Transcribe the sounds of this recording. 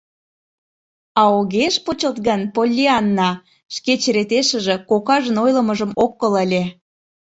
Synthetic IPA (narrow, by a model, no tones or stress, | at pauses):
ɑoɣeʃpot͡ɕəlt̪ɣənpolʲːiɑnːɑ | ʃket͡ɕeɾet̪eʃə̆ʒĕkokɑʒə̆nojlə̆məʒə̆mokːələlʲe